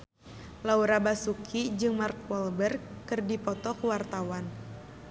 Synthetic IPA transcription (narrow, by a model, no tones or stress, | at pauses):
lauɾabasukʰid͡ʒɨŋmark̚wɔlbərkːɨrdipɔt̪ɔkwart̪awan